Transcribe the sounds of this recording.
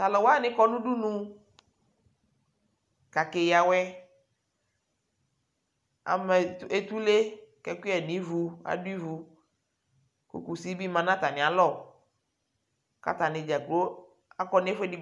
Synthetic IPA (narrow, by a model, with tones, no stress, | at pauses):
t̪a˨lɔ˨wo˦a˦˨nɪ̃˨˦kɔ˦nũ˦ɖu˦nũ˦ | ka˨ke˨ja˨wɛ˦ | a̰˨mɛ˨˦e˨t̪u˦le˦kɛ˨kʷi˦ɛ˨nĩ˨˦vu˨a̰˨du˦i˦vu˨ | kṵ˨ku˨si˦bi˦mã˨nã˦t̪a˨nɪ̃˨a˨lɔ˦˨ | ka̰˨t̪a˨nɪ̃˨d͡ʒa˨ɡlo˦ | a˦kɔ˦n˦fe˦di˦